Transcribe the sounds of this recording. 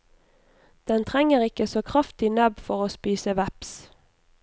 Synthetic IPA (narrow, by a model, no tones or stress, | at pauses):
d̪̥ɛnt̪ʰʁɛŋəʁɪkəsoːkʰʁɑft̪ɪnœbfɔʁoːspiːsəʋæps